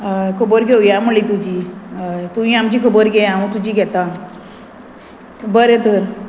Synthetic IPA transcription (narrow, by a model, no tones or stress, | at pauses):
kʰəboɾɡeujaməɭit̪ud͡ʒi | t̪uĩamd͡ʒikʰəboɾɡejãũt̪ud͡ʒiɡɛt̪ã | bəɾet̪əɾ